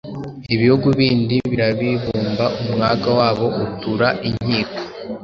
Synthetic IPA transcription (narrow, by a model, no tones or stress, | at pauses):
iβihuɡuβiːndiβiɾaβiβuːmbaʔumŋaɡawaːβo̞ʔutuɾaʔiɲ̥iːko̥